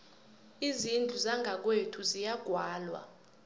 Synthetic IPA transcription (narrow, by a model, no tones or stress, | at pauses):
izind͡ɮʱuzaŋʱak̬wetʰuzijaɡ̥ʱwaːlwa̰